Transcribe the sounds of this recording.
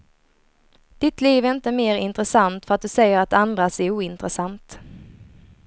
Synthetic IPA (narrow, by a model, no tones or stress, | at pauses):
d̪̥ɪt̪ʰliːvɛɾɪnt̪əmeːɾɪnt̪ɾəsant̪fœɾat̪̚d̪ɵsɛjːəɾat̪and̪ɾasɛuːɪnt̪ɾəsant̪